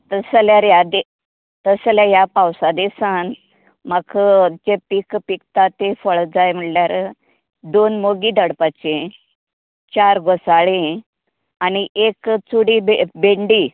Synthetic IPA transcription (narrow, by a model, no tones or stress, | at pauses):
t̪əsljaɾjad̪e | t̪əsljajapawsad̪esan | makʰd͡ʑepikpik̚t̪at̪efəɭd͡zajm̤əɽljaɾ | d̪onmoɡid̪əɽpat͡ɕẽ | t͡ɕaɾɡosaɭẽ | aniʔekt͡suɽibebeɳɖi